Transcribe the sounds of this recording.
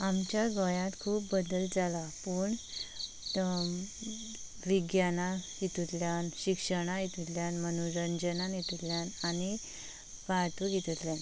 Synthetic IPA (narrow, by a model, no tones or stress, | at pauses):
amt͡ɕjaɡɔjãt̪kʰuːpbəd̪əld͡zalapuːɳ | ʋiɡjanajit̪ut̪ljanɕikʂəɽ̃ajit̪ut̪ljanmənuɾənd͡ʑənanjet̪ut̪ljanañi | ʋat̪uɡet̪ut̪ljan